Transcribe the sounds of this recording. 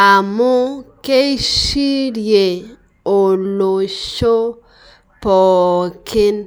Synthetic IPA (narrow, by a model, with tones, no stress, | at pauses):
a˨mʊ˦ke˦i˦ʃi˦ɾje˨ | o˨lo˨ʃo˦ | pɔ˨kɪ˦n